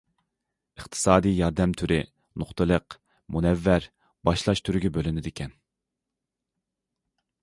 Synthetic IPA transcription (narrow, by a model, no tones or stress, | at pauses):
əχt̪ʰɨ̥sɑːd̪ijjɑɾd̪ɛmt̪ʰyɾɪ | noχt̪ʰɨlˠəq | munɛvːæɾ | b̥ɑʃlˠɑʃt̪ʰyɾɪɡʲɛbølɪnɪd̪ɪkʲʰɛn